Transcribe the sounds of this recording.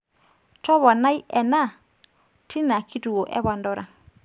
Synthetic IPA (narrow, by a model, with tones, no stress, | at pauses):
tɔ˦βɔ˨na˦jɛ˨na˦˨ | tʰi˦na˨kʰi˦tu˨wo˨ʔɛ̰˦βa˨ndɔ˦ɾʔa˨